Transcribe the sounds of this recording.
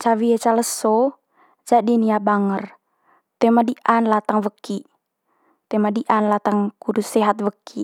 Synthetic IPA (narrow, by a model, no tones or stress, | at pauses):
t͡ʃawiet͡ʃaləsːo | d͡ʒadiniabaŋər | t̪ɛmadiʔanlat̪aŋwəkːi | t̪ɛmadiʔanlat̪aŋkudusɛɦat̪̚wəkʰːi